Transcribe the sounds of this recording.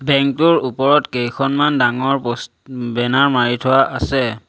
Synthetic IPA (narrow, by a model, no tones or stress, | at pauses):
bɛŋk̚tʊɹupɔɹɔtkejkʰɔnmandaŋɔɹpɔs | bɛnaɹmaɹitʰʊwaʔasɛ